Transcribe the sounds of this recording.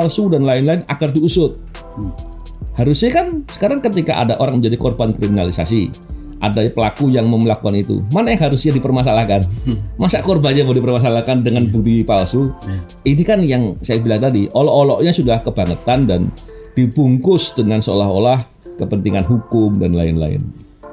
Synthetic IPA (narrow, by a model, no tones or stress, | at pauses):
alsudanlaɪnlaɪna̰ɡardiusʊt̪̚ | haɾʊsɲakansə̥kaɾaŋkət̪ika̰ʔa̰daʔoɾaŋməɲd͡ʒadikorbankɾiminalisa̰si | ʔa̰dapəlakujaŋməmlakukanit̪ṵmanajaŋɦaɾʊsɲadipərmas̬alahkanmasaʔkorbanɲabadipərmas̬alahkandəŋanbut̪ipalsu | inikanjaŋsajabilaŋt̪adiʔolɔʔolɔʔɲasudahkəbaŋət̪andan | d̥ibuŋkʊsdəŋansəo̰laɦolah | kəpənt̪iŋanɦukʊmdanlaɪnla̰ɪ̰n